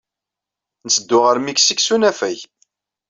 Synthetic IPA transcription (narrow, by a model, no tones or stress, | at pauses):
nəsəd̪ːʊʁəɾmiksiksunæfæç